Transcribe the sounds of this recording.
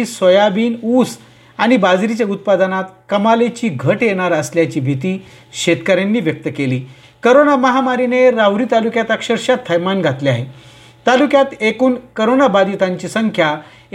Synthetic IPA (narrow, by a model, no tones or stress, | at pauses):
isəjabiːnus | aɽ̃ibad͡zɾit͡ɕjaut̪̚pad̪ənat̪kəmalet͡ɕiːɡʱəʈjeɽ̃aɾəsljat͡ɕiːbʱit̪iː | ɕet̪kəɾjanːiːʋjək̚t̪əkeliː | kəɾonaməɦamaɾineɾawɾiːt̪alukjat̪əkʂəɾɕjat̪ʰːəjmanɡʱat̪leaɦe | t̪alukjat̪ekuːnkəɾonabad̪it̪aɲt͡ɕiːsəŋkʰja